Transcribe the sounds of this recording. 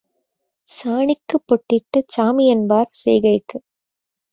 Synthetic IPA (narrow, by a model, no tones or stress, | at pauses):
saːɳɪkːɯpːɔʈːɪʈːɯt͡ʃaːmɪjɐnbaːɾsɛ̰jɣɐɪkːɯ